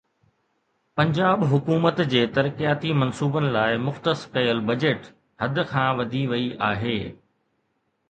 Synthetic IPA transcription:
pɐ̃ɲd͡ʑaːɓɦʊkuːmət̪d͡ʑeːt̪ɐɾkijaːt̪imɐnsuːbənɪ̆laːɪmʊxt̪əskɐjəlbɐd͡ʑeːʈ | hɐd̪ʱʊ̆kʰãːʋɐd̪ʱiʋɐiʔaːɦeː

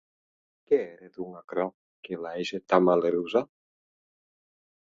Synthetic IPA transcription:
keɛɾed̪uŋakɾɔ | kelaɛʒet̪amaleɾuza

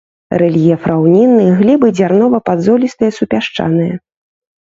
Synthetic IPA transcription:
ɾɛlʲjɛfɾʔawnʲinːɨɣlʲibɨd͡zʲarnɔvɐpad̪zɔlʲist̪ɨjɛsupʲaʂt͡ʂa̰nɨjɐ

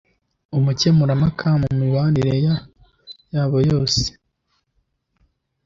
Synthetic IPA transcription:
umuce̞muɾamakʰamumiwaɾiɾeja | jaːβo̞jo̞ːse̥

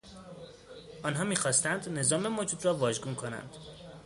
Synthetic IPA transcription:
ʔɒːnɦɒːmiːxɒːst̪ænd̪ne̞zɒːme̞mod͡ʒuːd̪rɒːvɒːʒɡunkʰo̞næ̰nd̪̥

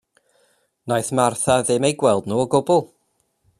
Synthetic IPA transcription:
najθmarθaðɪmejɡwɛlˠdnuːɔɡʊbʊlˠ

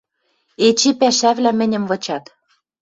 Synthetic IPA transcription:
et͡ɕepæʃæβlæmɘ̆nʲɘ̆mvɤ̆t͡ɕɑt̪

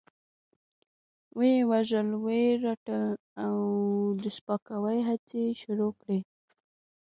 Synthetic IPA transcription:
wewaʒəlweɾaʈə | awd̪əspakawajɦat͡seʃʊɾokɽe

